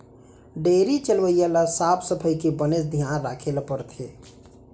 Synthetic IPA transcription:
ɖeːɾit͡ʃəlʋəijalasaːpʰsəpʰəjkebənesd̪ʱijanɾakʰelpəɾt̪ʰe

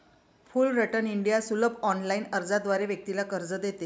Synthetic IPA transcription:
fulɾəʈəniɳɖijasuləbɔnlainəɾd͡zad̪ʋaɾeʋjək̚t̪ilakəɾd͡zəd̪et̪e

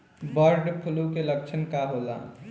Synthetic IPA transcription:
bəɾɖpʰulukeləkt͡ʃʰənkaɦola̰

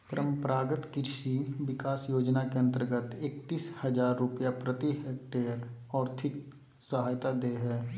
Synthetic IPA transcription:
pəɾəmpəɾaːɡət̪kɪɾʃiʋɪkaːsjoːd͡ʒnakeɐ̃nt̪əɾɡət̪ekt̪iːshəd͡ʒaːɾːʊpjapɾət̪iɦeːk̚ʈeːɾɔːɾt̪ʰɪk | səɦaːjt̪ad̪eːɦɛː

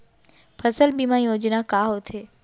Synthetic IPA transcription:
pʰɐsəlbimaːĩõːd͡ʑinakaːɦot̪ʰeː

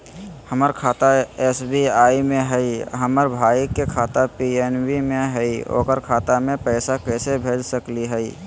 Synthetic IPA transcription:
həməɾkʰaːt̪aɛːsbiaːimẽɦɛiɦəməɾbʱaːikːekʰaːt̪apiɛnwimẽɦɛio̰ːkəɾkʰaːt̪amẽpɛɪsakɛːsebʱeːd͡ʒsəkliɦɛi

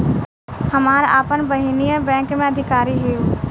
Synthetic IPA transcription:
həmaːɾa̰ːpənbəɦinijəbɛ̃ːŋkmẽɐd̪ʱɪkaːɾiɦeːu

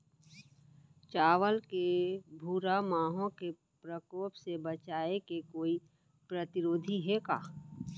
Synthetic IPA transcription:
t͡ʃaːʋəlkebʱuːɾamaːɦõke | pɾəkoːpsebət͡ʃaːekekoːi | pɾət̪ɪɾoːd̪ʱiɦeka̰ː

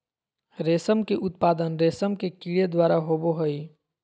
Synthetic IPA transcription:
ɾeːsəmkeʔʊt̪̚paːd̪ənɾeːsəmkekiːɽed̪waːɾaɦoːboɦəi

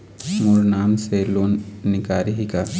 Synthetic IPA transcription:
muɾnaːmseloːnːɪkaːɾiɦika

